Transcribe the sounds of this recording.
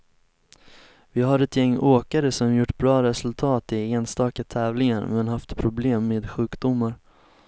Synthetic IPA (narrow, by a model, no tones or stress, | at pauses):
vɪɦaɾɛt̪jɛŋːoːkaɾəsɔmjʊʈːbɾɑːɾɛsɵlt̪ʰɑːt̪ɪeːnst̪ɑːkat̪ʰɛːvlɪŋaɾmɛnhaft̪pʰɾʊbleːmːeːd̪ɧʉ̟ːkd̪ʊmːaɾ